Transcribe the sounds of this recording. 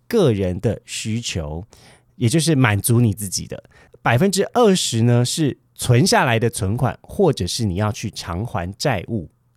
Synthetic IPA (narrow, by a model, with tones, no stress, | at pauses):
kɤ˥˩ɻə˧˦nd̪ə˧ɕy˥t͡ɕʰjo˧˥ʊ | jɛ˨˩t͡ɕjo˥˧ʊʂ̬ɻ̩˥˩ma˨˩nt͡su˧˥ni˨˩t͡sɹ̩˥˩t͡ɕḭ˨˩d̪ə̰˦ | pa˨˩ɪfə˥˧nʈ͡ʂɻ̩˥ʔə˥˩ʂɻ̩˧˦nə˧ʂɻ̩˥˩ | t͡sʰwə˧˦nɕja˥˩la˧˥ɪd̪ə˧t͡sʰwə˧˦nkʰwa̰˨˩nxwɔ˥˩ʈ͡ʂɤ˨˩ʂɻ̩˥˩ni˨˩jɑ˥˧ʊt͡ɕʰy˥˩ʈ͡ʂʰɑ˧˦˥ŋxwa̰˧˦nt͡sa˥˧ɪʔu˥˩